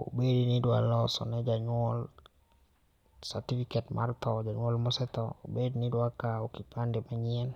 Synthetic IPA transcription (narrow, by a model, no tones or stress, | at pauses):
o̰bedinidwa̰lɔsɔ̰nɛd͡ʒaɲwɔl | saɾtifikɛtma̰rt̪ɔd͡ʒaɲwɔlmɔsɛt̪ɔ̰o̰bednidwakaokipandimaɲiɛn